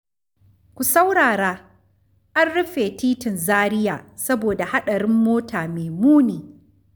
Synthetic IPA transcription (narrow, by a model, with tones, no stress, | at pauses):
kʷu˨sa˦wɽaː˨ɾaː˦ | ʔa˦nɽʊ˦ɸeː˨tiː˦tɪ˨nzaː˦ɾɪ˦ja̰ː˨sɐ˦boː˨da˨ha˦ɗɐ˨ɾɪ˦mːoː˦taː˨meː˨muː˦niː˨